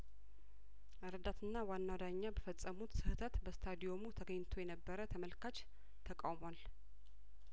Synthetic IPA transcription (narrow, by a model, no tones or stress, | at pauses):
ʔɨɾəd̪at̪ʰɨnːawanːawad̪aɲːabəfət͡sʼːəmut̪sɨhɨt̪ʰət̪bəst̪ʰad̪ijo̞mut̪ʰəɡəɲːt̪ʰojɛnəbːəɾət̪ʰəməlkat͡ʃ | t̪ʰəkʼa̰wmoal